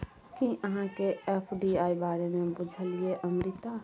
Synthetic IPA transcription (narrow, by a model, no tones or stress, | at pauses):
kiʔəɦãkeepʰɖiaibaːɾemẽbud͡ʒʱəlieʔəmɾit̪a